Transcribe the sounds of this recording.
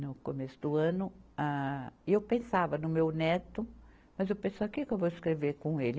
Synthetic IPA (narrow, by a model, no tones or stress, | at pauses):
nʊkomesʊd̪ʊɐ̃nʊaɪewpẽsavɐnʊmewnɛt̪ʊ | mɐzewpẽseɐkikewvoɪskɾeveɾkõelɪ